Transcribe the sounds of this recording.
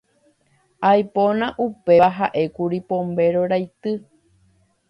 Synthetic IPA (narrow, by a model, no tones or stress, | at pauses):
ajponãʔupeʋaɦaʔe̞kuɾipõmbe̞ɾoɾajt̪ɨ